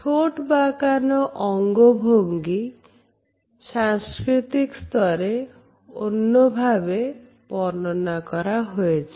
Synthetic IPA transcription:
tʰoʈbakanɔʔɔŋɡobʱoŋɡi | saŋskɾit̪ikst̪ʰɔɾe | onːobʱabe | pɔɾnɔnakɔɾaɦojet͡ʃʰi

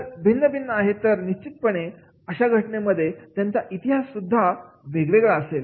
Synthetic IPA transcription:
əɾbʱinːəbʱinːəaɦet̪əɾniɕt͡ɕit̪̚pəɳe | əɕaɡʱəʈɳeməd̪ʱːjet̪jãnt͡saʔit̪iɦasːud̪ʱːa | ʋeɡʋeɡɭaəsel

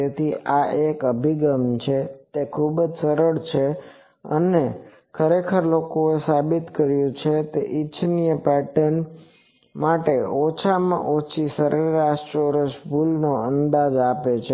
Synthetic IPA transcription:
et̪ʰiʔaʔekəbʱiɡəmt͡ʃʰet̪ekʰubəd͡ʒsəɾəɭt͡ʃʰe | ə̰ne | kʰəɾekʰəɾlokoesabit̪kəɾjũt͡ʃʰet̪eʔit͡ʃʰnijəpɛʈən | maʈeɔt͡ʃʰamã̰ʔot͡ʃʰisəɾʔəɾaʃʈoɾəʃbʱulnoənd̪ad͡ʒapet͡ʃʰe

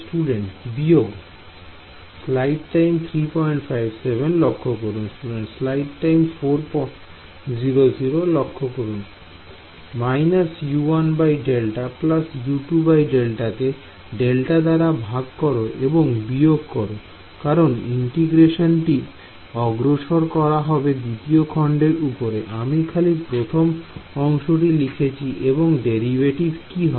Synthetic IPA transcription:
sʈuɖeɳʈbijoɡ | slajɖʈajmt̪ʰɾipɔjɳʈfʰajbsebʱenlokʰːokoɾunsʈuɖeɳʈslajɖʈajmfoɾpɔ | ziɾoziɾolokʰːokoɾun | majnasjuanbajɖelʈaplasjuʈubajɖelʈake | ɖelʈad̪aɾabʱaɡkɔɾoʔeboŋbioɡkɔɾo | kaɾonḭɳʈiɡɾeʃonʈi | ɔɡɾoʃoɾkɔɾaɦɔbed̪it̪iokʰɔɳɖeɾupoɾeʔamikʰalipɾot̪ʰomɔŋʃoʈ̬ilikʰet͡ɕʰiʔeboŋɖeɾibʱeʈiɾkiɦɔe

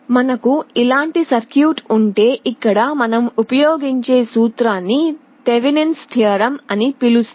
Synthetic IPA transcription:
mɐnɐkuilaːɳʈisɐɾkjuːʈuɳʈe̞ːʔikːɐɽɐmɐnɐmupɐjoːɡiɲt͡ʃe̞ːsuːt̪ɾaːnːi | t̪eʋinenst̪ʰiɐɾɐmɐnipilus

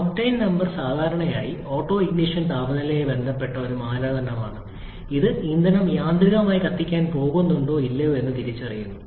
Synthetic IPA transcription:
ɐpʈɐjnnɐmbɐrsaːd̪ʱaːɾɐɳɐjaːjio̞ːʈːo̞ːiɡniʂɐnt̪aːbɐnɐlejebe̞nd̪ʱɐpːe̞ʈːɐo̞ɾumaːɾaːd̪ɐnɐma̰ːɳɨ | iðɨind̪ɐnɐmjaːnd̪riɣɐmaːjikɐt̪ːikʲːaːnpo̞ːɣunːuɳɖo̞ːilːɐjoːe̞nːɨt̪iɾit͡ɕːɨɐrijːunːu

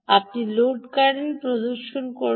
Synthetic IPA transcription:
ap̚niloɖkaɾɾinpɾod̪oɾʃonko

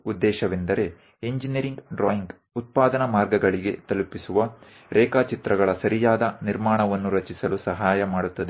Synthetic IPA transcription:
ud̪ːɛːʃɐʋind̪ɐɾe̞ | iɲd͡ʒiniɾiŋɡɖɾoːjiŋɡ | ut̪̚paːd̪ɐnɐmaːɾɡɐɡɐɭiɡe̞̰t̪ɐlupisuʋɐ | ɾɛːkaːt͡ʃit̪ɾɐɡɐɭɐsɐɾijaːd̪ɐniɾmaːɳɐʋɐnːuɾɐt͡ʃisɐlusɐɦaːjɐmaːɽut̪ːɐd̪e

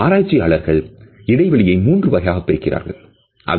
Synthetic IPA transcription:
aːɾaːt͡ʃːijaːɭɐɾɣɐɭɪɽɐɪʋɐɭɪjɐɪmuːndrɯʋɐɣɐjaːɣɐpːḛːkːɪrʔa̰ːɾɣɐ̰ɭ | ʔɐ̰ð

